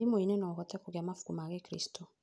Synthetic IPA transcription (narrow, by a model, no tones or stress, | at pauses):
imoinɛnɔɣɔtɛkuɣeamafu̥kumaɣɛkɾḭstʰɔ